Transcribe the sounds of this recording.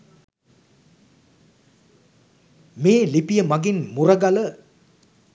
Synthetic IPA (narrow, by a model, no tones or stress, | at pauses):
meːlipijəmaɡinmuɾəɡalə